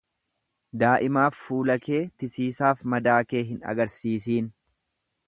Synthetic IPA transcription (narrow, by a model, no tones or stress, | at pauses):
d̪aːʔɪmaːfːuːlɐke̞ːt̪ɪsiːsaːfmɐd̪aːke̞ːɦɪnɐ̰ɡɐɾsiːsiːn